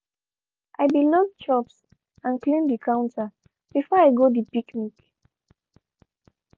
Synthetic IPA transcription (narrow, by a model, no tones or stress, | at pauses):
ʔajbilɔdt͡ʃɔps | ãnklĩndikʰãw̃nta | b̥ifɔajɡodipiknik